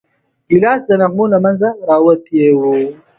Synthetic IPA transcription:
ɡilaːsd̪anaɣmulamanzaɾaːwat̪jewo

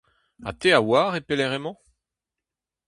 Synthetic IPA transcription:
a̰t̪eawaːʁepeleʁemɑ̃

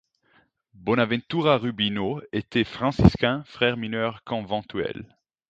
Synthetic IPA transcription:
bɔnavɛ̃nt̪uʁaʁybinoet̪ɛfχɑ̃siskɛ̃fχɛʁminœʁkʰɔ̃vɑ̃t̪ʰɥɛ̰l

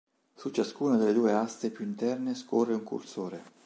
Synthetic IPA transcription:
sut͡ʃːaskuːnad̪elːed̪uːeast̪epjuint̪ɛrneskorːeuŋkṵrsoːɾe

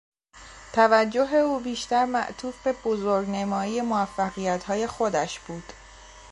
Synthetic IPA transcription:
t̪ʰævæd͡ʒːo̞ɦe̞uːbiːʃt̪æɾmæ̰ʔt̪ʰuːfbe̞b̥ozoɾɡnemɒːije̞moæfːæɣijæt̪hɒːje̞xo̞d̪æʃb̥uːd̪̥

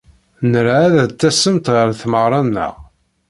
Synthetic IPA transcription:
nəɾʕæðæt͡s̪ːæsəmt̪ʁəɾθməʁɾˤɑnːə̰ʁ

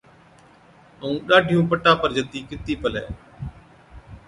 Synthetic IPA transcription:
əũːɗaːɖʱɪjũːpəʈːãːpəɾd͡ʒət̪iːkɪt̪iːpəlɛ̰ː

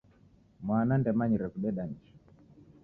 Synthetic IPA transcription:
mwanandɛmaɲiɾɛfuɗɛɗanit͡ʃu̥

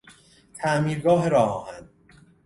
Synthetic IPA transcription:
t̪ʰæʔmiːɾɡɒːɦeɾɒːɒːhænd̪̥

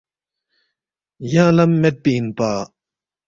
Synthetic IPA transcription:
jalamːet̪̚pinpa

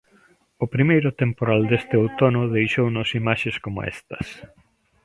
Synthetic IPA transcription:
ʊpɾimejɾʊt̪empoɾald̪est̪ɪowt̪onʊðejʃownʊsimaʃeskomʊ̰ɛ̰st̪ɐ̥s

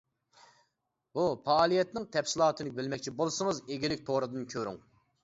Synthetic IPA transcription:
bupɑːlˠijɛt̪nɪŋt̪ʰɛpsɪlˠɑːt̪ʰɨnɨbɪlmɛkʲt͡ʃʰibolˠsɨŋɨzeɡʲilɪk̚ʲt̪ʰoɾɨd̪ɨnkʲʰøɾy̰ŋ

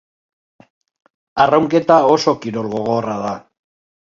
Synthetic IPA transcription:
arawŋke̞t̪ao̞so̞kiɾo̞lɣo̞ɣ̞o̞raða

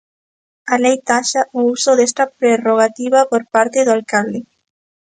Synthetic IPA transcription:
alejt̪aʃaʔousoðest̪apɾeroɣ̞at̪iβapoɾpaɾt̪eðoalkald̪e

